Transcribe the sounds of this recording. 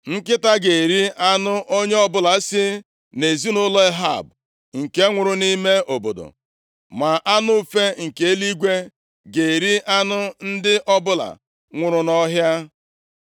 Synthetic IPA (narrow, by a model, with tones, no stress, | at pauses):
ŋ̩˦kɪ˦ta˦ɡe˨ɾi˦ʔa˦nʊ˦ʔo˦ɲe˦ɔ˦bʊ˦la˨˦sɪ˦ | ne˨zi˦nʊ˦lɔ˦e˦ɦa̰˦˨b̚ | ŋ̩˨ke˦ŋʷʊ˨ɾʊ˦ni˦me˦o˨bo̰˨do̰˨ | ma˨ʔa˦nʊ˦˨fe˦ŋ̩˨ke˨˦li˦ɡʷe˦ | ɡe˨ɾi˦ʔa˦nʊ˦n̩˦dɪ˦ʔɔ˦bʊ˦la̰˨ | ŋʷʊ˨ɾʊ˨nɔ˦ɦja˦